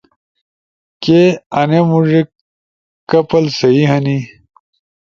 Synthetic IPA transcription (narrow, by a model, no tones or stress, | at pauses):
keɐnemuʐek | kːɐpɐlsɐiɦɐni